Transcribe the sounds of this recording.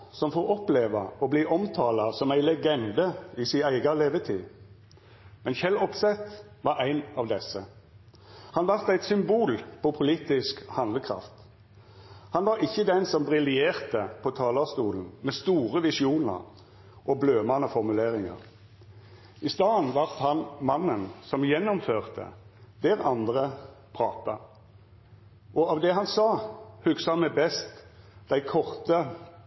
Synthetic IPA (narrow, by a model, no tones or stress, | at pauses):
sɔmfɔːɔpleːʋɑɔbliːʔɔmt̪ʰɑːlɑsɔmæɪlɛɡɛnd̪əɪsɪæɪɡɑleːʋət̪ʰiː | mɛnçɛlɔpsɛt̪ | ʋɑæɪnɑʋd̪ɛsːə | hɑnʋɑʁt̪æɪt̪sʏmbuːlpʰɔpʰʊliːt̪ɪskhɑnd̪ləkʰʁɑ̰ft̪ | hɑnʋɑʁɪçːəd̪ɛnsɔmbʁɪlɪeːʁt̪əpʰɔt̪ʰɑːlɑʁst̪uːln̩mɛst̪uːʁəʋɪsɪuːnə̰ʁ | ʔɔbløːmɑnəfɔʁmʉleːʁɪŋə̰ʁ | ɪst̪ɑːnʋɑʁt̪hɑnmɑnːənsɔmjɛnːɔmføːʁt̪ʰə̰d̪ɛʁɑnd̪ʁəpʰʁɑːt̪ɑ | ʔɔɑʋd̪ɛɦɑnsɑːhʉksəɑnmæbɛst̪d̪̥æɪkʰɔʁt̪ə